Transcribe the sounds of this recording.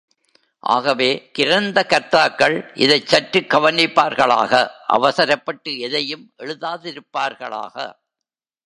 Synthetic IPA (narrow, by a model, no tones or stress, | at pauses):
ʔa̰ːɣɐʋeːkɪɾɐnd̪ɐkɐɾt̪aːkːɐɭʔɪ̰ðɐɪt͡ʃːɐʈɾɯkːɐʋɐnɪpːaːɾɣɐɭa̰ːɣɐʔɐ̰ʋɐsɐɾɐpːɐʈːɯɛðɐjɯmʔɛɻɯðaːðɪɾɯpːaːɾɣɐ̰ɭa̰ːɣɐ̰